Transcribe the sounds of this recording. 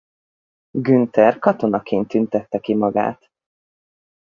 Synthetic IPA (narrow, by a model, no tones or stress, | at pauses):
ɡynt̪ɛrkɒt̪o̞nɒkʰeːnt̪ynt̪ɛt̪ːɛkimɒɡa̰ːt̪